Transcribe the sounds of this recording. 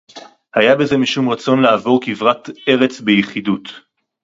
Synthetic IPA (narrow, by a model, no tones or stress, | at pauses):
hajabeze̞miʃumʁat͡so̞nlaːvo̞ʁkivʁat̪e̞ʁet͡sbejeχid̪ut